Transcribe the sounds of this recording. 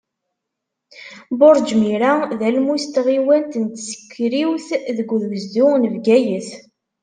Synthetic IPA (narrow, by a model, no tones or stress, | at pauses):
boɾˤd͡ʒmiɾaðælmust̪ʁiwænt̪ənt̪sə̥kːɾiwθðəɡʷːðwəzd̪ʊnəvɡæjəθ